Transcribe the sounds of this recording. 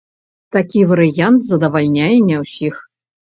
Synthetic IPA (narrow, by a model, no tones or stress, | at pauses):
t̪akʲivɐɾɨjant̪zɐd̪ɐvalʲnʲajɛnʲɐwsʲix